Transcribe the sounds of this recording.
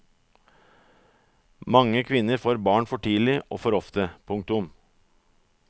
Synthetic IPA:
mɑŋːəkʰʋɪnːəɾfoːɾbɑːɳfɔʈʰiːlɪʔoːfɔɾɔft̪əpʰʊŋk̚t̪ʊm

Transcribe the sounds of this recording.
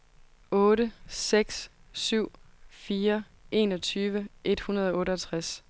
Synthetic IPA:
ɔ̽ːɾəseɡ̥ssyʊ̰fiːɐ | ʔe̝ːnɒ̽t͡sʰyːʋəʔe̝d̥hunɐð̞ˠɒ̽ɔ̽ːɾəɦælt͡sʰʁas

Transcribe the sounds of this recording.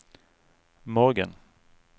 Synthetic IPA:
mɔɾɡə̰n

